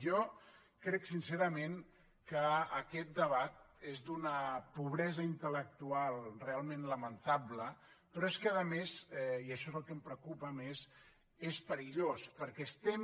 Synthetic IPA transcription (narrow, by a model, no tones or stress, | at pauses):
jɔ | kɾɛksinseɾəmeŋ | kəːkɛt̪̚d̪əβat̪̚ | ezd̪unəpuβɾɛzəint̪ələk̚t̪ualˠrealˠmẽnləmənt̪ablə | pɾɔeskəðəmeziəʃɔzəlˠkəmpɾəkupəmez | espəɾiʎospəɾkɛːst̪ɛm